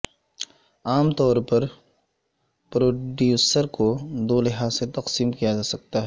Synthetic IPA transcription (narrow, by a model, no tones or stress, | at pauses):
aːmt̪ɔːɾpɐɾ | pɾoːɖjuːsəɾkod̪oːlɪɦaːset̪ɐqsiːmkijad͡ʒaːsɐk̚t̪aɦɛː